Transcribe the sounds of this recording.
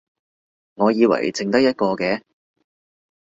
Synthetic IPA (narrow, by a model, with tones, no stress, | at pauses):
ŋɔː˨˧jiː˨˧wɐ̰˨˩jt͡sɪ˧ŋt̪ɐ˥k̚jɐ˥t̚kɔː˧kɛː˧